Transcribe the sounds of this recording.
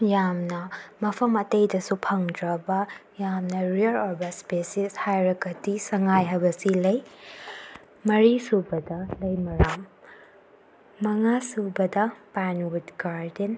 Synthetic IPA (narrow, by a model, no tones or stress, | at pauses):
jamnɐmɐpʰɐmɐtejdɐsupʰɐŋdɾɐbɐjamnɐɾiɐlɔɾbɐspesishajɾɐkɐtisɐŋajɦɐbɐsilɐj | mɐɾisubɐdɐlɐjmɐɾam | ɐŋasubɐdɐpanwutɡaɾden